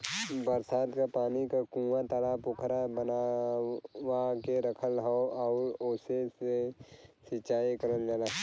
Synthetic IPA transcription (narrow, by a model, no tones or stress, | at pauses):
bəɾsaːd̪kapaːnikakũːãt̪əlapʊkʰɾabəna | wakeɾəkʰəlɦɔɔːɾosesesɪt͡ʃaːikəɾəld͡ʒala